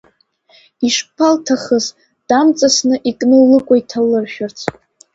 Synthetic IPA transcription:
iʂpʰaltʰaχəz | d̥amt͡sʼasnɨʔikʼnɨlɨkʷʼaitʰalːɨrʃᶣʊrt͡sʰ

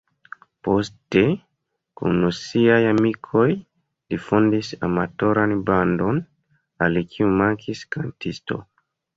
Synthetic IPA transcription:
po̞ste | kṵnːosiajamikʰo̞j | lifondisamato̞ɾanbando̞n | alikʰiumaŋkʰiskantisto̞̰

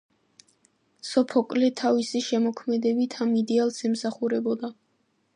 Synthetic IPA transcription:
sɔpʰɔkʼlɛt̪ʰavisiʃɛmɔkʰmɛd̪ɛbit̪ʰamid̪ɛalsɛmsaχuɾɛbɔd̪a

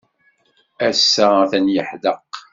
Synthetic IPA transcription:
æsːæθænjəħðəq

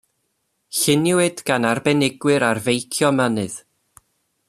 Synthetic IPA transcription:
ɬɪnjʊwɨdɡ̥anarbɛnɪɡwɨɾarvejkʰjɔmənɨð̥

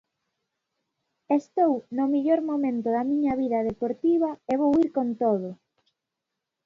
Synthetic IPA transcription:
est̪ownomiʎoɾmomẽnt̪ʊðɐmiɲɐβiðɐðepoɾt̪iβ̞ɐeβowiɾkont̪oð̞ʊ

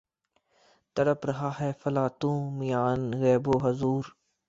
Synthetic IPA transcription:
t̪əɾəpɾɐɦaːɦɛːfəlaːt̪ũːmɪjaːnɣɛːboːɦɐzuːɾ

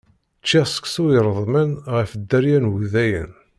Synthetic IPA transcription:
t͡ʃːæsə̥ksuəɾˤəðˤmənʁəfəd̪ːæɾjænwuðæjə̰n

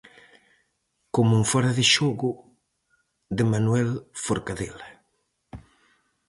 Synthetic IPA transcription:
komuɱfɔɾaðɪʃɔɣʊ | d̪ɪmanwɛlfoɾkaðela

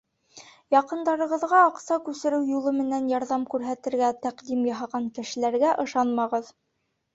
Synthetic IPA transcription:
jɑqɤ̆nd̪ɑɾɤ̆ʁɤ̆ðʁɑːqsɑkʉsɘ̆ɾɘwjulˠɤmɘ̆nænjɑɾðɑmkʉɾɦæt̪ɘ̆ɾɡæt̪æqd̪imjɑɦɑʁɑŋkɘ̆ʃɘ̆læɾɡæʔɤ̆ʃɑnmɑʁɤð

